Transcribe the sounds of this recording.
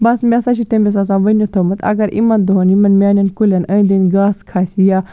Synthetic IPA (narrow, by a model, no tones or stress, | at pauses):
bɐsmʲasat͡ʃʰit̪ẽmbʲes̬ãːsãːʋɐnot̪ʰomɐt̪ʰɐ̰ɡɐɾʔḭmɐnd̪uɦonimɐnmʲaːnʲɐnkulʲɐnɐ̃ĩnd̪inɡaːskʰaːsijaː